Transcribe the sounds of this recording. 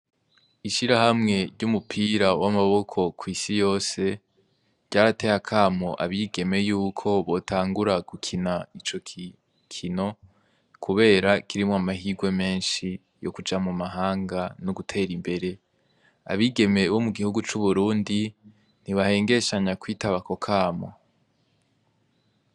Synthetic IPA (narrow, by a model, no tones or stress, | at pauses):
iʃiɾahamŋe̞ɾɟumupʰiːɾawamaβo̞kʰo̞kʰwiːsijo̞ːse̞ | ɾɟ̥aːɾate̞hakʰaːmoʔaβiːɡe̞me̞juːkʰo̞βo̞tʰaːŋɡuɾaɡ̥ukʰinait͡ʃo̞ | kʰino̞ | kʰuβe̞ːɾakʰiɾimoamaɦiːɡwe̞me̞ːnʃi | jo̞̰kud͡ʒamumaɦaːŋɡanoɡutʰe̞ːɾimbe̞ɾe̞ | a̰βiːɡe̞me̞βo̞muɡihuɡut͡ʃuβuɾuːndi | n̥iβahe̞ːŋɡe̞ʃaɲakwiːtaβako̞kʰaːmo̰